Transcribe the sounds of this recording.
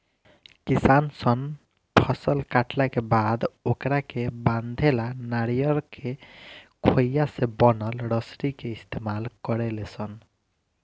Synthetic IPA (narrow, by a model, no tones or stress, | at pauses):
kisansɔn | pʰɔsɔlkaʈʰlakebad̪okɾakeband̪ʱelanaɽijɔɾkʰekʰojasebɔnɔlɾɔsɾikeist̪ʰemalkɔɾelesɔn